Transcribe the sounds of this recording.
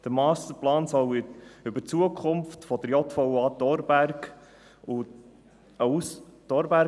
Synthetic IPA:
d̪̥əɾmɑːst̪əɾplɑːnsɔwʏbət͡suəkʰχʊmftfɔd̥̪əɾjɔt̪fɔwɑːt̪ɔɾbærɡ | u | əust̪ɔɾbæ

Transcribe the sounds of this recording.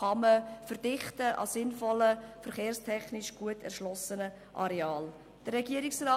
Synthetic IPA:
ɑməfərd̥ɪχtəʔɑ̰sɪnfɔləfəɾχeːɾstʰɛχnɪʃɡ̥uətʰɛ̰rʃlɔsənə | ʔɑ̰ɾɛɑːl | d̥ərːɛɡiəɾɪksrɑː

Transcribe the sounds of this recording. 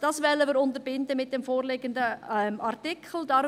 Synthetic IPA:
d̥ɑːsvɛlːəməɾʊntəɾbɪndəmɪt̚d̥ɛmfoːɾlɪɡəndəmʔɑrtɪkχl̩d̥ɑ

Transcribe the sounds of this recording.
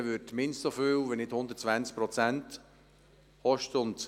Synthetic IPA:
ʋʏtmɪnstsofyːwʋinɪdhʊnd̪ətt͡svænt͡sk̚pɾɔt͡sænt | hɔʃtəʊnt̪

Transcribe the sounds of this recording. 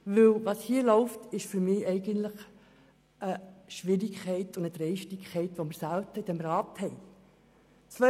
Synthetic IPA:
ʋɵlʋɑshiəlɔʊftɪʃfyɾmɪːʔɛɪɡəntləχ | ʔəʃʋɪɾikχɛɪtʊndət̪ɾɛjʃtikʰɛɪtʋomɪɾsælt̪əɪd̥ɛmɾɑːt̪hɛɪ | t͡sʋœ

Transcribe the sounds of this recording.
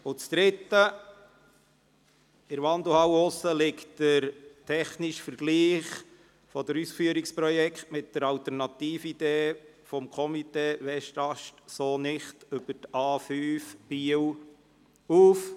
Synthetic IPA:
ʊt͡sd̪̥ɾɪt̪ːə | ɪɾʋɑnd̪uhɑwʊsːəlɪktd̥əɾtʰɛχnɪʃfəɾɡ̥liːχ | fɔd̪əɾusfyəɾikspɾɔjɛkχt̪mɪt̚d̥əɾɑwt̪əɾnɑt̪iːfid̥̪eː | fɔmkʰɔmiteːʋɛʃtɑʃtsoːnɪχtʏb̥ətɑːfyːfb̥iw | uːf

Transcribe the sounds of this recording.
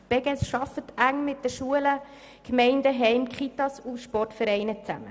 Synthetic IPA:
b̥ɛɡɛsʃɑfət̪æŋmɪt̚d̥əʃuələ | kmɛɪndəɦɛɪmkχit̪ɑsuʃpɔrtfɛɾɛɪnət͡sæ̰mə

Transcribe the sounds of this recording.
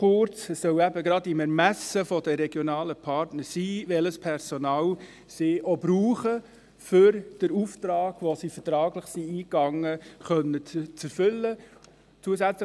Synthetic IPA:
χʊɾt͡sɛsːœwæbəɡɾɑdɪmɛɾmæsəfɔd̥əɾɛɡ̥jonɑːləpʰɑɾtnəɾsiːʋɛləspʰɛɾsonɑːw | siʔobɾuːχə | fʏɾd̥əɾuftɾɑːɡ̥ʋosifətɾɑːɡlɪχsiiːkɑŋːəχœnːət͡sɛɾfʏlːə | t͡suəzæt͡slə

